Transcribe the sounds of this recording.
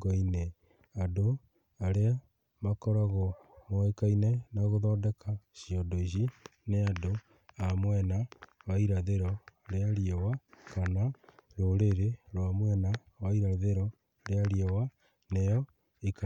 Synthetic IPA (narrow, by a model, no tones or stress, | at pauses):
ine | ado | aɾea | makɔɾaɣo | moekainenaɣoðɔːdɛkaʃiɔdɔiɕineado | amwɛnawaiɾaðeɾɔɾeaɾjewakanaɾoɾeɾeɾwamwɛnawaiɾaðeɾɔ | ɾeaɾiewa | nejɔ | ika